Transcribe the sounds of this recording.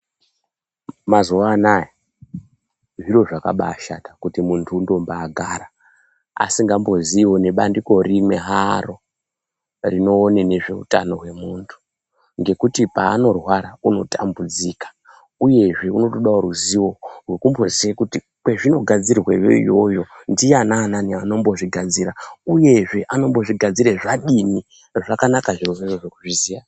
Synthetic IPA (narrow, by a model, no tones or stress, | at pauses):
mazuanaja | ʐiro̞ʐaka̰ɓaːʃatḁkutimuntʰuːndo̞mbaːɡʱaɾa | a̰siŋɡambo̞ziiwo̞ne̞ɓandiko̞rimwe̞ɦaro | rino̞ːnene̞ʐe̞ṵtano̞ɦwe̞muːntʰu̥ | ŋɡe̞kutipa̰ːno̞rwaɾauno̞tambud͡ziːkḁ | uje̞ʐe̞uno̞toɗaoɾuziwo̞rwekumbo̞ziekuti | kwe̞ʐino̞ɡʱad͡zirrwejḛḭjo̞jo̞ndijanaːnaniano̞mbo̞ʐiɡʱad͡zirauje̞ʐe̞ʔano̞mbo̞ʐiɡʱad͡ziɾeʐaɗini | ʐakanakaʐioʐeʐoʐekuʐizija